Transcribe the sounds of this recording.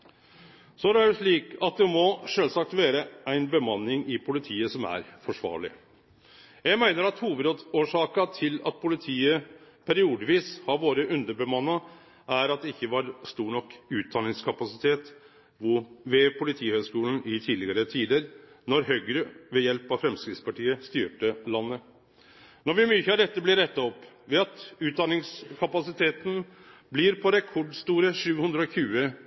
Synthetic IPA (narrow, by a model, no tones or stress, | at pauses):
sɔæd̪æɖʉʂɭiːkɑt̪̚d̪ɛmɔʂøːlsɑk̚t̪ʋeːɾəʔæɪnbəmɑnːɪŋɪpʰʊlɪt̪ʰiːəsɔmæ̰ɾfɔʂʋɑ̰ːɭɪ̰ | jæɪmæɪnəɾɑt̪huːʋəd̪od̪oːʂɑːkɑt̪ʰɪlɑt̪̚pʰʊlɪt̪ʰiːəpʰæɾɪuːd̪əʋiːshɑɾʋoːɾəʔʉnd̪əbəmɑnːɑ | ʔæɾɑt̪̚d̪ɛɪçːəʋɑɾst̪uːɳɔkːʉːt̪̚d̪ɑːnɪŋskʰɑpɑsɪt̪ʰeːt̪ | ʋʊʋɛpʰʊlɪt̪ʰiːhøːɡskuːlən̩ɪt̪ʰiːd̪lɪɡəɾət̪ʰiːd̪əɾ | nɔɾɦøʏɡɾəʋɛjɛlpɑfɾɛmskɾɪt̪spɑʈiːəst̪yːʈəlɑnːə | nɔɾʋɪmyːçəɑʋd̪ɛt̪ːəblɪɾɛt̪ːɑɔpː | ʋɛɑt̪ʉːt̪̚d̪ɑnɪŋskʰɑpɑsɪt̪ʰeːt̪n̩ | blɪɾpʰɔɾɛkʰɔɖst̪uːɾəʂʉːhʉnd̪ɾəɔçʉːə